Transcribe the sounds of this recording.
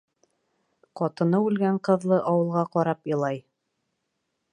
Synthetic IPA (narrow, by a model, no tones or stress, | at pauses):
qɒt̪ɤ̆nɤʉlɡæɴqɤ̆ðlˠɤʔɑwɤ̆lˠʁɑqɒɾɑpɤ̆lˠɑj